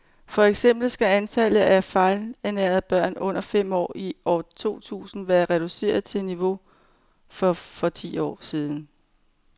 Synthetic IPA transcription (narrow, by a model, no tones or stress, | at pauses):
fɒ̽eɡ̥sem̰b̥l̩sɡ̥æænt͡sʰælð̩æfɑ̈ɪlenæɐðˠb̥ɶɐ̰nɔ̽n̰ɐfem̰ɒ̰ːiʔɒːt͡sʰo̝̰ːt͡sʰṵːsn̩ʋæːɐʁɛɾ̥use̝̰ːɐð̞ˠt͡sʰe̝niʋo̝ | fɒ̽fɒ̽t͡sʰḭːɒ̰ːsiːð̞ˠn̩